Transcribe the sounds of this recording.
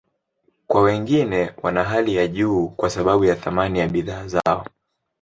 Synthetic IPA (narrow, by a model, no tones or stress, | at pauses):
kwawɛŋɡinɛwʔanaɦalijaʄuːkwasaɓaɓujaθamanijaɓiðaːza̰ɔ